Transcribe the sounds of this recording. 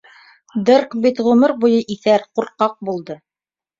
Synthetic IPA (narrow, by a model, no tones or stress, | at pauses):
d̪ɤrkbit̪ʁʉmɘɾbujɤʔiθæɾquɾqɑq̚bulˠd̪ɤ